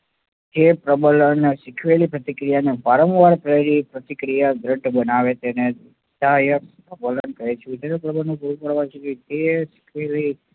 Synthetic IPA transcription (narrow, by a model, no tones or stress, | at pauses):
d͡ʒepɾəbələneʃɪkʰʋelipɾət̪ikɾijaneʋaɾə̃ʋʋaɾpɾəeɾipɾət̪ikɾijad̪ɾəɖʱbənaʋet̪ene | t̪ajəpɾəbələnkəet͡ʃʰũt̪enepɾəbənũpuɾũkəɾʋat͡ʃʰekut̪eʃɪ̥kʰʋeli